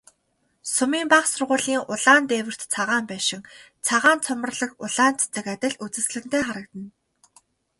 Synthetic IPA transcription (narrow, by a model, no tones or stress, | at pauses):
sʊmiːmpaχsʊrʁʊːɮiːŋʊɮaːnt̪eːwɘ̆r̥t̪t͡sʰaʁaːmpæːʃɪ̆ŋ | t͡sʰaʁaːnt͡sʰʊmə̆rɮə̆kʊɮaːnt͡sʰe̥t͡sɘ̆kat̪ʲɪ̆ɮut͡sɘ̆sɮɘ̆n̥t̪eːχaɾə̆kt̪ə̆n